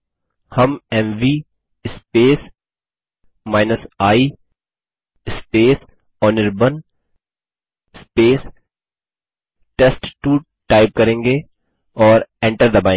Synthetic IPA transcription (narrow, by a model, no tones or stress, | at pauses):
hɐmɛmʋiː | speːs | maːɪnəsaːi | ɪspeːs | ɔːnɪɾbən | speːs | ʈesʈʈuː | ʈaːɪp̚kɐɾẽːŋɡe | ɔːɾɛ̃ɳʈəɾd̪əbãɪ̃